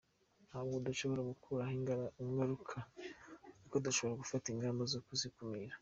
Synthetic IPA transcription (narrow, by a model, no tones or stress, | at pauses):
nhaːβɡodaʃo̞βo̞ɾaɡukʰuɾahiŋɡaɾukʰa | nikodaʃo̞βo̞ɾaɡufatiŋɡaːmbozokuzikumiɾa